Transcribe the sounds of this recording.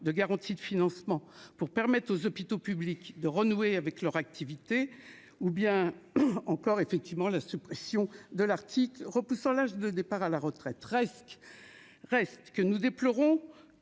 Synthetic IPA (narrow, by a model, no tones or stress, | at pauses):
d̪əɡaʁɑ̃t̪id̪əfinɑ̃smɑ̃puʁpɛʁmɛt̪χozɔpit̪opyblikd̪əʁənueavɛklœʁak̚t̪ʰivit̪e | ubjɛ̃ɑ̃kɔʁefɛk̚t̪ivmɑ̃lasypχɛsjɔ̃d̪əlaʁt̪ʰiklʁəpusɑ̃laʒd̪əd̪epaʁalaʁət̪χɛt̪ʁɛst | ʁɛst̪kənud̪eplɔʁɔ̃